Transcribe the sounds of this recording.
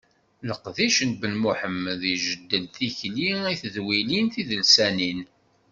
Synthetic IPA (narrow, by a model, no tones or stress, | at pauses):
ləqðiʃənbənmuħəmðiʒəd̪ːənθiçliiθəðwilinθiðəlsænin